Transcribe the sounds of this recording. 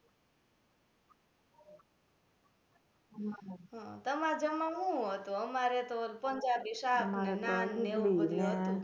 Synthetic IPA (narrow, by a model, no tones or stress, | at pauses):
ɦɔ̃t̪əmad͡ʒəmãɦũɦət̪ũəmaɾet̪olpənd͡ʒabiʃabenanːeod̪jũɦət̪